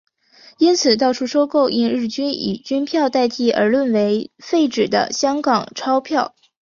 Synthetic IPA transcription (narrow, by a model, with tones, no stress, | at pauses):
i˥nt͡sʰɹ̩˨˩t̪ɑ˥˩ʊʈ͡ʂʰu˥ʂo˥ʊko˥˩ʊi˥nɻɻ̩˥˩t͡ɕy˥nḭ˨˩t͡ɕy˥npʰjɑ˥˧ʊt̪a˥˧ɪt̪i˥˩ʔə̰˞˧˥lwə˥˩nwe˧˥ɪfe˥˩ɪʈ͡ʂɻ̩˨˩d̪ə̰˦ɕjɑ˥ŋkɑ˨˩ŋʈ͡ʂʰɑ˥ʊpʰjɑ˥˩ʊ